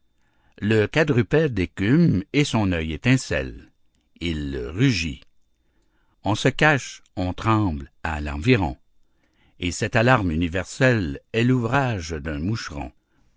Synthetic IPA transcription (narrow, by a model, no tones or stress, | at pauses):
ləkad̪ʁypɛd̪ekʲymesɔ̃nœjet̪ɛ̃sɛ̰l | ilʁyʒi | ɔ̃səkaʃɔ̃t̪ʁɑ̃ːblalɑ̰̃viʁɔ̰̃ | esɛt̪alaʁmynivɛʁsɛlɛluvʁaʒd̪ɛ̃muʃʁɔ̰̃